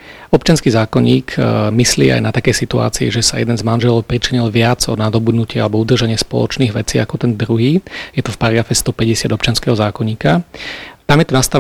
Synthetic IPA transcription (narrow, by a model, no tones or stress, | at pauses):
ɔpt͡ʃɪanskiːzaːkɔɲiːkʰmislḭːa̰jnat̪akɛjsit̪ua̰ːt͡siḭʒɛsajɛd̪ɛnzmanʒɛlɔʊpɾit͡ʃiɲilʋɪad͡zɔ̰nad̪ɔbud̪nucɪɛalɛbɔud̪r̩ʒaɲɪɛspɔ̰lɔ̰t͡ʃniːɣʋɛt͡siːakɔt̪ɛnd̪ɾuɦiːjɛt̪ɔfpaɾaɡɾafɛst̪ɔpɛɟɛsɪad̪ɔp̚t͡ʃɪanskɛɦɔzaːkɔɲiːkat̪amjɛt̪ɔnast̪a